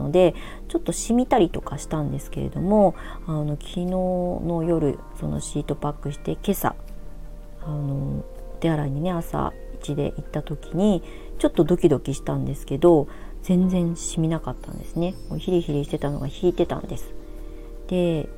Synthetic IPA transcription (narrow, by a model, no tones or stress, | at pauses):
o̞̰d̪e̞ | t͡ɕo̞t̪ːoɕimʲit̪aɾʲit̪o̞kaɕi̥t̪ãnd̪e̞sɨ̥ke̞ɾe̞̰d̪o̞mo̞ano̞kʲʰino̞ːno̞jo̞ɾɯ̟̰so̞no̰ɕiːt̪o̞pakːɯ̟ɕi̥t̪e̞ke̞sa̰ | ano̞ | t̪eaɾaiɲ̟ine̞asa̰ | it͡ɕid̪e̞̰ʔit̪ːat̪o̞kʲiɲ̟i | t͡ɕo̞t̪ːo̞d̪o̞kʲid̪o̞kʲiɕi̥t̪ãnd̪e̞sɨ̥ke̞d̪o̞d͡z̥ẽ̞nd͡zẽ̞ɰ̃ɕimʲinakat̪ːã̰nd̪e̞sɨne̞moçiɾʲiçiɾʲiɕi̥t̪e̞t̪ano̞̰ɡaçiːt̪e̞t̪ã̰nd̪e̞sɨ̥ | d̪̥e̞